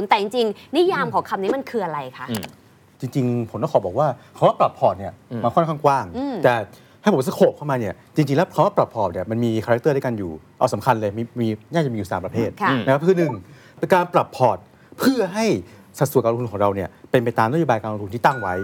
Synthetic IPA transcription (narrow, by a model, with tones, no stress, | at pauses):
u˨˦nt̪ɛː˨˩t͡ɕi˧ŋt͡ɕi˧ŋni˦˥jaː˧mkʰɔː˨˦ŋkʰa˧mniː˦˥ma˧˨nkʰɯː˧ʔa˧ɾa˧jkʰa˦˥ʔ | t͡ɕi˧ŋt͡ɕi˧ŋpʰo˩˦nk̪aː˥˩˨bɔː˨˩k̚waː˥˩kʰa˧˦waː˥˩pɾa˨˩pʰɔː˨˩t̪̚ni˥˩ɐmaː˧kʰɔ˥nkʰaː˥˩ŋkwaː˥˩ŋ˧t̪ɛː˨˩ | ha˥˩pʰo˩˦sa˧˥˩kʰoː˨˩p̚kʰa˥˩wmaː˧ni˥˩ɐ | t͡ɕi˧ŋt͡ɕi˧ŋlɛː˦˥wkʰa˧˥waː˥˩pɾa˨˩pʰɔː˨˩p̚ni˥˩ɐma˧nmiː˧a˧a˦˥k̚t̪ɤː˥˩ɾa˥˩ka˧njuː˨˩ | ʔa˧wsa˩˦mkʰa˧nlɤː˧m˧˩iː˧naː˥˩kt͡ɕa˨˩miː˧˨uː˨˩saː˨˦pɾa˧pʰeː˥˩t̪̚kʰna˦˥kʰa˥pkʰɯ˧nɯ˨˩ŋ | e˧kaː˧npɾa˨˩pʰːɔː˨˩t̪̚ | pʰɯ˥˩ɐɦa˥˩j | sa˨˩t̪su˨˩˦ka˧t̪u˧kʰɔː˩˦ɾa˧wni˥˩ɐpe˧npa˧jt̪aː˧mna˦˥joː˧baː˧jka˧lo˧ŋt̪u˧niː˥˩t̪a˥˩ŋwa˦˥j